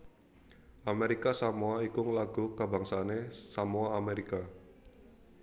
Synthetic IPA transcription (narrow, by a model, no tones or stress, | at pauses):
ʔameɾikasamoaikʊŋlaɡ̥ukaba̤ŋsanesamoaːmeɾika